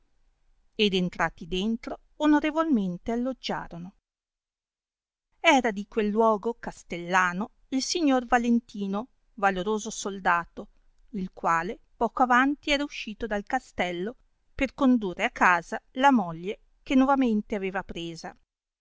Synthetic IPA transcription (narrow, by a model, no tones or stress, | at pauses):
ed̪ent̪ɾaːt̪id̪ent̪ɾoːnoɾevolment̪ealːod͡ʒːa̰ːɾono | ɛːɾad̪ikwelːwɔːɡokast̪elːaːno | ilsiɲːorvalent̪iːno | valoɾoːzosold̪aːt̪o | ilkwaːle | pɔːkoavant̪iɛːɾauʃːiːt̪od̪alkast̪ɛlːo | perkond̪urːeakːaːzalamoʎːe | kenːwɔvament̪eaveːvapɾeːza